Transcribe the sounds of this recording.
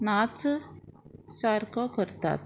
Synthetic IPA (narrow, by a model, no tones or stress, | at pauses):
naːt͡sɨ | saːɾkokɐɾt̪ːa̰ːt̪